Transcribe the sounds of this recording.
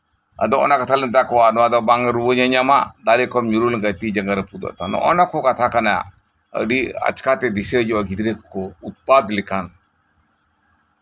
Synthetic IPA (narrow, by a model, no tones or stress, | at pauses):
ə̰d̪ɔɔ̰nakat̪ʰalənt̪akɔwanɔad̪ɔbaŋɾubəɲəɲama̰d̪alikʰɔmɲuɾulɡət̪id͡ʒəŋɡaɾəpud̪ɔ̰ʔt̪anɔ̰ʔɔ̰nakʰɔkat̪ʰakana̰ | ə̰ɖia̰t͡ʃkat̪ɛd̪isəd͡ʒɔaɡid̪ɾekkɔut̪̚pad̪likʰan